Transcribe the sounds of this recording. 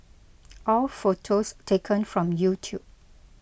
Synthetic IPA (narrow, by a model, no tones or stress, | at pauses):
ʔɔlfotʰostʰekʰə̃nfɹɔ̃mjutʰjup̚